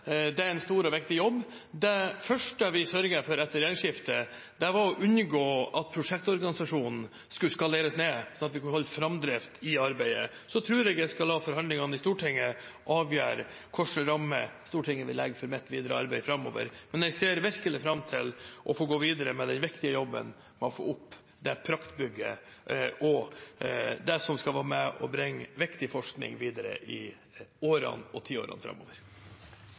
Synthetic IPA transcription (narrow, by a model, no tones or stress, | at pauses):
d̪ɛæɾɛnst̪uːɾɔʋɪk̚t̪ɪjɔbː | d̪ɛfœʂʈəʋɪsœɾɡəfɔɾɛt̪ːəɾeːnʂɪft̪ə | d̪̥ɛʋɑɾɔʔʉnɡoːʔɑt̪̚pʰɾʊʂɛk̚t̪ɔɾɡɑnɪsɑʂuːnn̩ | skʉskɑleːɾəsneːsɔnɑt̪ʋɪkʰnhɔlːfɾɑmd̪ɾɛft̪ʰɪɑɾbæɪə̰sɔt̪ʰɾʉːɾɛɡɛskɑlhɑːfɔɾhɑnd̪lɪŋɑnɪst̪uːʈʰɪŋːəʔɑːʋjø̰ːɾə | kʰɔʂəɾɑmːə̰st̪uːʈʰɪŋːəʋɪlːɛɡəfɔɾmɛt̪ːʋiːd̪əɾəɑɾbæɪfɾɑmːo̰ːʋə̰ɾmɛnɛɡseːɾʋæɾkəlɪfɾɑmt̪ʰɪlʔɔfoːɡoːʋiːd̪əɾəmɛd̪ɛnʋɪkt̪ɪəjɔbːə̰n | mɛɔfo̰ːʊpː | d̪ɛpʰɾɑkt̪bʏɡːə̰ʔɔ | d̪ɛsɔmskɑlʋɑːmɛɔ̰bɾɪŋːʋɪkt̪ɪfɔʂknɪ̰ŋʋiːd̪əɾə̰ʔɪ | oːɾɑ̰nɔt̪ʰiːo̰ːɾɑ̰nfɾɑ̰mːo̰ːʋəɾ